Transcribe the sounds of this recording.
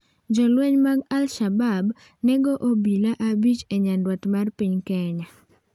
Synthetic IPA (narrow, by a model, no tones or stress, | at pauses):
d͡ʒɔlwɛɲmaɡalʃabab | nɛɡoʔobilaʔabit͡ʃeɲandwɔtmarpiɲkɛɲa